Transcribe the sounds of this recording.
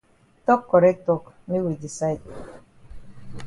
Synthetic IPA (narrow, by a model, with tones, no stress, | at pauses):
tɔ˦kːɔ˨ɾɛ˦tɔ˦k | mi˦wi˨d͡ʒi˨sa˦jt̚